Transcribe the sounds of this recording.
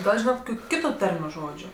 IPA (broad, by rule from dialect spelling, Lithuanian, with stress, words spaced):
ˈɡɐlˠ ˈʒʲiːnɐt ˈkoːkʲʊ ˈkʲɪtʊ ˈtɐrʲmʲʊ ˈʒoːd͡ʒʲʊ